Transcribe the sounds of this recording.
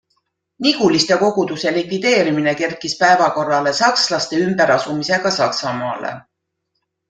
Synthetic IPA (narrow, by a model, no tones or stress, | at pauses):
niɡ̥ulist̪e̞ko̞ɡ̥ud̪̥use̞likvid̪̥e̞ːɾimine̞ke̞rkispæevɑko̞rːɑle̞sɑkslɑst̪e̞ymb̥e̞ɾɑsumise̞ɡ̥ɑsɑksɑmɑːlḛ